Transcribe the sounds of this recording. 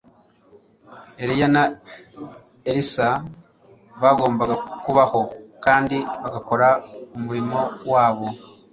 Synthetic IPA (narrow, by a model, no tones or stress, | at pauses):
e̞ɾijana | eɾisa | βaɡo̞ːmbaɡakuβaho̞kaːndiβaɡako̞ɾaumuɾimo̞waːβo̞